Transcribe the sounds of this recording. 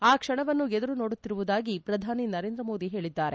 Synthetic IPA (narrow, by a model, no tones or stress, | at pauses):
aːkʂɐɳɐʋɐnːued̪ɐɾuno̞ːɽut̪ːiɾuʋud̪aːɡipɾɐd̪ʱaːninɐɾe̞ːnd̪ɾɐmo̞ːd̪iɦe̞ːɭid̪ːaːɾe̞